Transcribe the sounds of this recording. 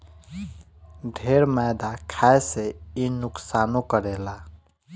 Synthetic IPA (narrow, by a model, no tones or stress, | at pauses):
ɖʱeɾmajd̪akʰaeseinuksanokəɾela